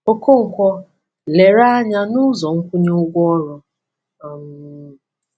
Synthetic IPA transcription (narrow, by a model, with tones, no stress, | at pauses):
o˦ko˦ŋ̩˨kʷɔ˦ | le˨ɾa˦a˦ɲa˦nʊ˦zɔ˨ŋ̩˦kʷu˦ɲe˦ʊ˦ɡʷɔ˦ɔ˦ɾɔ˨ | m˨˦